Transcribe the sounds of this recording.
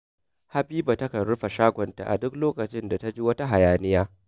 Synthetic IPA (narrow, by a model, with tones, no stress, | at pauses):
ha˦ɸiː˦ba˨tɐ˦kɐ˨nɽʊ˦ɸa˨ʃaː˦ɡʷɔ˨nta̰˨ʔa̰˨dʊ˦kloː˦kɐ˨t͡ʃɪ˦nda˨ta˦d͡ʒi˦wɐ˦ta˦ɦa˨jaː˨nɪ˦jaː˦